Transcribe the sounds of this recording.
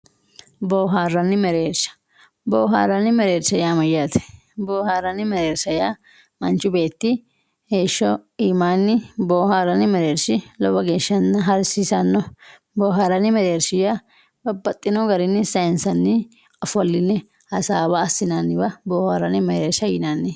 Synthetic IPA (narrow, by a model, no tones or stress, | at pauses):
boːɦaːrːɐnːɪmɛɾeːɾsɐ̥ | boːɦa̰ːɾːɐnːɪmɛɾeːɾsɐjaːmɐjːaːt̪ɛ̥ | boːhaːrːɐnːɪmɛɾe̞ːɾsɐjaː | mɐnt͡ʃːʊbe̞ːt̪ːɪ | he̞ːʃːɔiːmaːnːɪboːhaːɾɐnːɪmɛɾeːɾsɪlɔbɐɡe̞ːʃːɐnːɐɦɐɾsisɐnːɔ | boːɦaːɾɐnːɪmɛɾeːɾsɪja | bɐbːɐt̪ʼːɪnɔɡɐɾɪnːɪsɐɪnsɐnːɪ | ɐfɔlːɪnːɛ | hɐsaːbɐːsːɪnanːɪbɐboːhaːɾːɐnːɪmɛɾeːɾsɐjɪnaːnːɪ